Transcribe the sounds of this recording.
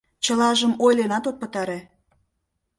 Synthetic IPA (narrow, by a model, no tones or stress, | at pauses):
t͡ɕəlɑʒəmojlenɑt̪ot̪̚pə̆t̪ɑɾe